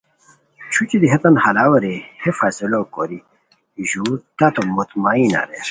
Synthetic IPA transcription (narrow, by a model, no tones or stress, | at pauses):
t͡ɕʰut͡ɕid̪iɦɐt̪ɐnhɐlaːwɐɾehefaːsilokoɾi | ʑuːɾt̪ɐt̪omot̪maːina̰ɾe